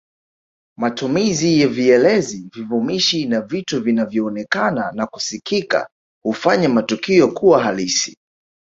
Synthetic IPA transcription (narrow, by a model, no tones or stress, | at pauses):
matumizijɛviɛlɛzivivumiʃinavituvinavjɔːnɛkananaku̥sikika̰ | hufaɲamatukiɔkuwaɦalisi̥